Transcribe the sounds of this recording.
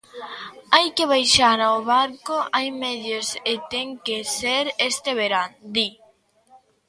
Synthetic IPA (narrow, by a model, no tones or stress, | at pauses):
ajkeβ̞ajʃaɾaoβaɾkoʔajmeðoset̪eŋkeseɾest̪eβeɾand̪i